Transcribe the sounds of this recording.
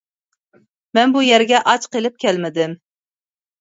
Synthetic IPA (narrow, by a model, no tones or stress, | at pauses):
mɛnbujɛɾɡʲɛʔɑt͡ʃqelɪp̚kʲʰɛlmɪd̪ɪm